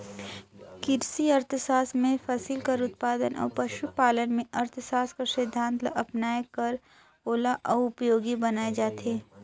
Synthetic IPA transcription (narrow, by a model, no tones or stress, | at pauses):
kɪɾsiɐɾt̪ʰsaːsmẽfɐsilkɐɾʊt̪̚paːd̪ənʔɔ̰ːɾpɐʃupaːlənmẽʔɐɾt̪ʰsaːskasɪd̪ʱːãːnt̪lʔɐpnaːjkɐɾ | oːlaʔɔːʊpjoːɡibɐnaːed͡ʒaːt̪eː